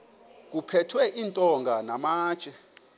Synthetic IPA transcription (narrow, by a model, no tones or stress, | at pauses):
k̬ʼupʰɛtʰwɛʔintʼɔŋɡʱanamaːt͡ʃʼɛ